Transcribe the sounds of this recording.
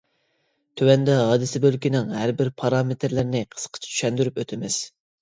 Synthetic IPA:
t̪ʰywɛnd̪ɛɦɑːd̪ɪsɪbølkʲinɪŋhæɾbɪɾpʰɑɾɑmet̪ʰɾlɪɾnɪqʰə̥sqʰə̥t͡ʃʰi̥t͡ʃ̪ʰy̥ʃɛnd̪yɾypøt̪ʰɪmɪz

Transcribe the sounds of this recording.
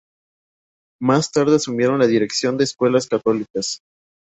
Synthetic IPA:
mast̪aɾð̞e̞asumje̞ɾo̞nlaðiɾe̞ksjo̞nd̪eːskwe̞laskat̪o̞likas

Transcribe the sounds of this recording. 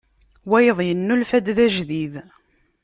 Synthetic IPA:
wæjəðˤjənːulfæd̪ðæʒðið

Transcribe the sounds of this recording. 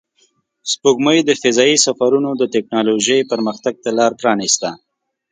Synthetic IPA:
spoɡməjd̪əfɪzɑisafaɾunod̪ət̪ɪk̚nɑloʒəjpəɾməxt̪aɡ̚t̪alɑɾpɾɑnist̪a

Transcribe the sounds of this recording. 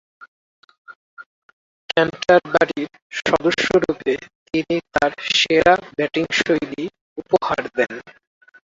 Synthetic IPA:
kɛmʈaɾbaɾiɾ | ʃɔd̪oʃːoɾupet̪init̪aɾʃeɾabɛʈiŋʃojli | upoha̰ɾd̪ɛn

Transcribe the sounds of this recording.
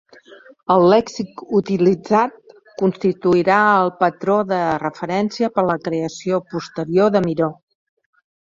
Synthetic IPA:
əlˠːɛksikut̪ilid͡zat̪̚ | kunst̪it̪uiɾaəlˠpət̪ɾoðərəfəɾɛnsiəpəɾləkɾeəsiopust̪əɾioðəmiɾo

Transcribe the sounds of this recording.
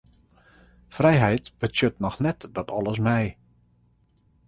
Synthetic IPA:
frɛjɦɛjtb̥ətjøtnɔxnɛtdɔtʰɔlˠəs̬mɛj

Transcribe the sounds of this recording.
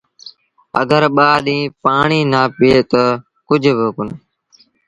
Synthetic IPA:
ə̰ɡəɾɓaːɗĩːpaːɳiːnaːpɪeːt̪ə | kʊd͡ʒʱbɪkʊn

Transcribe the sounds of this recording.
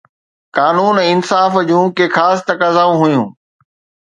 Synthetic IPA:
kaːnuːnɛɪnsaːfd͡ʑũːkeːxaːst̪ɐkaːzaːũɦʊjũː

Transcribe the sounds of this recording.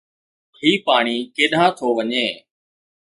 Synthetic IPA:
hiːpaːɳ̃iːkeːɗʱãːt̪ʰoːʋəɲeː

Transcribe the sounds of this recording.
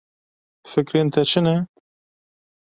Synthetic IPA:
fɨkɾeːnt̪ʰɛt͡ʃʰɨnɛ

